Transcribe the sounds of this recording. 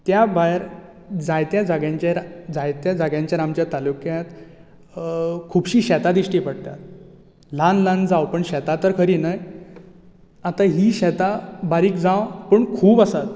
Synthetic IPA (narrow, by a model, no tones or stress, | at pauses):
t̪jabajɾ | d͡zajt̪jad͡zaɡjãɲt͡ɕaɾd͡zajt̪jad͡zəɡjãɲt͡ɕjaɾamt͡ɕjat̪alukjat̪ | kʰuːbɕiːɕɛt̪ad̪iɕʈipəɽt̪a̰t̪ | lanland͡zawpəɳɕɛt̪at̪əɾkʰəɾinəj | at̪aɦiːɕɛt̪abaɾiːkd͡zãwpəɳkʰuːbəsat̪̚